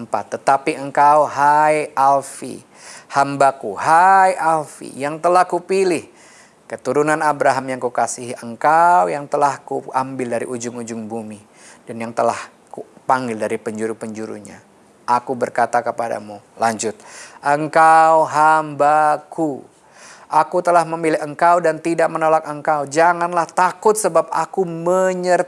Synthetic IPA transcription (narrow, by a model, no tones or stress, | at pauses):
mpat̪ːət̪apiəŋkawɦajalfḭ | hambakuɦajalfḭjaŋt̪əlahkupilɪh | kət̪uɾunanabɾaɦamjaŋkukasiɦiʔəŋkawjaŋt̪əlahkuambɪldaɾḭʔud͡ʒʊŋud͡ʒʊŋbumi | d̥anjaŋt̪əlah | kupaŋɡɪldaɾipəɲd͡ʒuɾupəɲd͡ʒuɾṵɲa̰ | ʔakubərkat̪akəpada̰mulaɲd͡ʒʊt̪̚ʔəŋkawɦambakʰu | ʔakut̪əlahməmilɪəŋkawdant̪idak̚mənolak̚əŋkawd͡ʒaŋanlaht̪akʊt̪̚səbap̚a̰kuməɲər